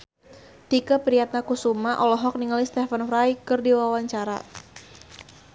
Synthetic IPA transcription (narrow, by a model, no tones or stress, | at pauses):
t̪ikapɾijat̪̚nakusumaʔɔlɔɦɔk̚niŋalist̪efanfɾajkɨrdiwawaɲt͡ʃaɾa̰